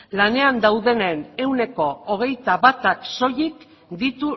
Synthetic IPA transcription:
lane̞and̪awðe̞nene̞wne̞ko̞oɣ̞e̞jt̪aβat̪akso̞jik | d̪it̪u

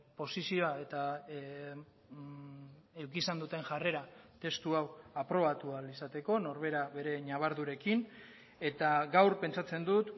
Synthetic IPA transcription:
po̞sisio̞ae̞t̪a | e̞wkisand̪ut̪e̞ŋʝare̞ɾat̪e̞st̪uawapɾo̞βat̪ualisat̪e̞ko̞no̞ɾβ̞e̞ɾaβe̞ɾe̞ɲaβ̞aɾðuɾe̞kin | e̞t̪aɡawɾpe̞nt͡ʃat͡se̞nd̪ut̪

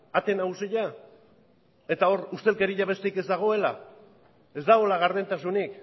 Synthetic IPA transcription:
at̪e̞nausiʎa | e̞t̪ao̞ɾust̪e̞lke̞ɾiʎaβe̞st̪eike̞zd̪aɣ̞o̞e̞la | e̞zd̪aɣo̞laɣ̞aɾðent̪asunik

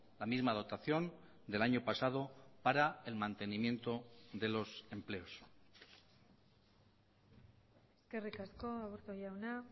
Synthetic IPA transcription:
lamizmað̞o̞t̪aθjo̞n | d̪e̞laɲo̞pasað̞o̞paɾaelmant̪e̞nimje̞nt̪o̞ðe̞lo̞se̞mple̞o̞s | eske̞rikasko̞aβuɾt̪oʎawna

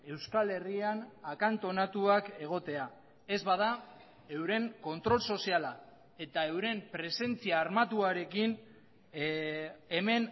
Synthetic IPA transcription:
e̞wskale̞rianakant̪o̞nat̪uake̞ɣ̞o̞t̪e̞a | e̞zβað̞a | e̞wɾe̞ŋko̞nt̪ɾo̞lso̞siala | e̞t̪ae̞wɾe̞mpɾe̞se̞nt͡siaːɾmat̪uaɾe̞kin | e̞me̞n

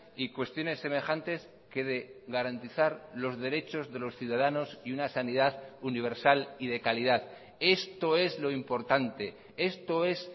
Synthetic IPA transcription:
ikwe̞st̪jo̞ne̞sːe̞me̞χant̪e̞s | ke̞ðe̞ɣaɾant̪iθaɾlo̞zðe̞ɾe̞t͡ʃo̞zðe̞lo̞sθjuðaðano̞siunasaniðaðuniβ̞e̞ɾsaliðe̞kaliðað | e̞st̪o̞e̞zlo̞impo̞ɾt̪ant̪e̞ | e̞st̪o̞e̞s

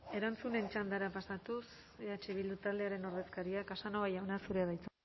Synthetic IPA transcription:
e̞ɾant͡sune̞nt͡ʃand̪aɾapasat̪us | eat͡ʃe̞βild̪ut̪ald̪eaɾe̞no̞ɾð̞e̞skaɾiakasanoβajawnasuɾe̞aðajt͡s

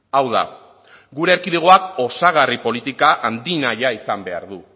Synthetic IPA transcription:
awða̰ | ɡuɾe̞ːɾkiðeɣ̞o̞ako̞saɣ̞aripo̞lit̪ikaʔand̪inajaisambe̞a̰ɾðu

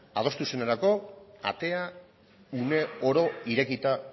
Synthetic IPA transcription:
a̰ð̞o̞st̪useneɾako̞a̰t̪e̞a | une̞oɾo̞iɾe̞kit̪a

